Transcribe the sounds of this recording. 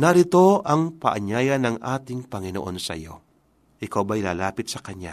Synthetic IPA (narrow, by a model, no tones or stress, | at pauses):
nɐɾɪt̪o̞ʔɐŋpɐʔɐɲaːjɐnɐŋʔaːt̪ɪŋpɐŋɪno̰ʔo̞nsɐ̰jo̞̰ | ʔɪkawbɐjlaːlaːpɪt̪̚sɐkɐɲja̰